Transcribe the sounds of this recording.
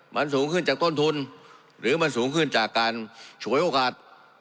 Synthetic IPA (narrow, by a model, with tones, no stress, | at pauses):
ma˧nsuː˨˦ŋkʰɯ˥˩nt͡ɕaː˨˩k̚t̪oː˥˩nt̪ʰu˧n | ɾɯː˨˩˦ma˧nsuː˩˦ŋkʰɯ˧˥˩nt͡ɕaː˨˩kːaː˧nt͡ɕʰu˨˩˦əjʔoː˧˩kaː˨˩t̪̚